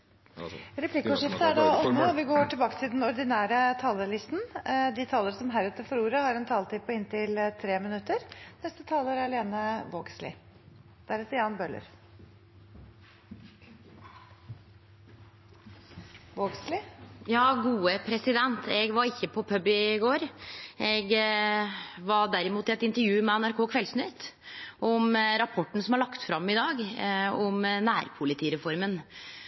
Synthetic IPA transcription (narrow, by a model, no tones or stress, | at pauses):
ɾɛpʰlɪkːəʊʂɪft̪əæɖɑʔɔmːəɔʋɪɡoːʈʰɪlbɑːkə̥t̪ʰɪld̪ɛnɔɾd̪ɪnæːɾət̪ʰɑːləlɪst̪nd̪ɪt̪ʰɑːləɾəsɔmɦæɾʉːt̪əfɔɾuːɾəhɑɾɛnt̪ʰɑːlət̪iːpʰɔɪnt̪ɪlt̪ʰɾeːmɪnʉt̪ːəɾnɛst̪ət̪ʰɑːləɾæɾɑleːnəʋoːɡslɪ̰ | d̪̥æɾɛsɪɑːnbœlə̰ɾ | ʋoːɡslɪjɑːɡuːəpʰɾɛsɪd̪ɛnt̪ʰɛɡʋɑɾɪçːəpʰɔpʰœbɪɡoːɾɛɡ | ʋɑɖ̪æɾɪmuːt̪ɪɛt̪ɪnt̪əɾjʉːmɛɛnæɾkʰoːkʰʋɛlsnʏt̪ʔɔmɾɑpʰɔʈːnsɔmhɑɾɭɑkt̪fɾɑmːɪd̪ɑːɡɔmnæːɾpʰʊlɪt̪ʰiːɾɛfɔɾmən